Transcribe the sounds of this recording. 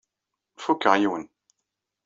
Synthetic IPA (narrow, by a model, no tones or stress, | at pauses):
fukːəʁjun